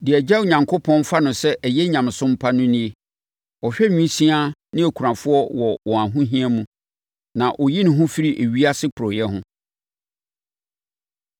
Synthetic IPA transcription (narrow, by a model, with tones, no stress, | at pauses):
dɪ˨ɛ˨d͡ʑɛ˦o˨ɲã˨ŋkʰo˦pʰɔ̃˦n˦fa˦nʊ̃˨sɛ˦ʔɛ˨jɛ˦ɲã˨m˨sʊ̃˦m̩˦pʰa˦nʊ̃˦nĩ˦e˨ | ɔ˨ɕᶣɛ˦ɲᶣũ˦sĩ˦a˦nɪ̃˦æ˨kʰu˨ɾã˨fʊ˦ɔ˦wɔ˨wɔ̃˨a˨ɦʊ̃˦ɦĩ˦a˦mũ˨ | nã˨ʔɔ˨ji˦nʊ̃˨ɦʊ̃˦fi˦ɾi˦ʔe˨ɥi˦a˦sɪ˦kʊ˨ɾɔ˨jɛ˦ɦʊ̃˦